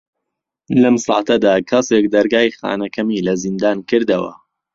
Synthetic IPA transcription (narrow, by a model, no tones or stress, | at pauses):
lɐmsɑ̰ːt̪ʰɐd̪aːkʰɐsek̚d̪ɐɾɡaːjxa̰ːnɐkʰɐmiːlɐzind̪aːnkɨɾd̪ɐwɐ̰